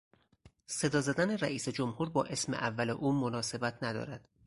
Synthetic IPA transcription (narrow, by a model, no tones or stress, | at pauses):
se̞d̪ɒːzæd̪æneræʔiːsed͡ʒomhuːɾbɒːʔe̞smeʔævːælḛʔuːmonɒːse̞bæt̪ʰnæd̪ɒ̰ːɾæd̪̥